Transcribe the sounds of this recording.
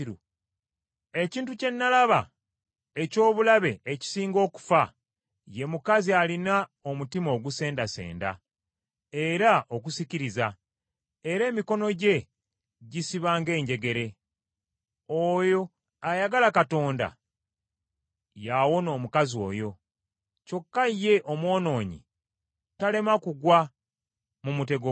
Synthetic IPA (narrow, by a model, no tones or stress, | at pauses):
u | e̞ciːntuce̞nːalaβa | eco̞ːβulaβe̞eci̥siːŋɡo̞ːku̥fa | je̞mukazialinao̞mutimo̞ːɡuse̞ːndase̞̰ːnda̰ | eɾaʔo̞k̬usiciɾiza | eɾe̞ːmiko̞no̞ɟe̞ | ɟisiβaːŋɡe̞ːɲɟe̞ɡe̞ɾe̞ | oːjo̞ | ajaɡalakato̞ːnda̰ | jawo̞no̞ːmukazio̞̰ːjo̞ | co̞kːaijːe̞ʔo̞mwo̞ːno̞ːɲḭ | tale̞makuɡwa | mumute̞ɡo